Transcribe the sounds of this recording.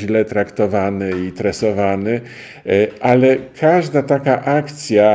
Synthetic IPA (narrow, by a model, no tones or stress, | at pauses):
lɛt̪ɾakt̪ɔvanɘit̪ɾɛsɔvanɘ | ʔalɛkʰaʐd̪at̪akaʔakt̪sʲja